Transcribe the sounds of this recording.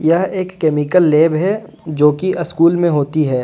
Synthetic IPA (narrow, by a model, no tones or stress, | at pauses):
jɐɦeːkːeːmɪkəlːeːbɦɛ | d͡ʒoːkiʔɪskuːlmẽɦoːt̪iɦɛː